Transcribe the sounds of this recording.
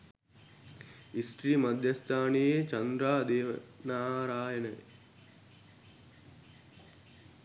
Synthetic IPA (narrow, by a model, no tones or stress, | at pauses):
isʈɾiːmɐd̪ʱjɐst̪ʰaːnijeːt͡ʃɐnd̪ɾaːd̪eːʋɐnaːɾaːjɐnɐ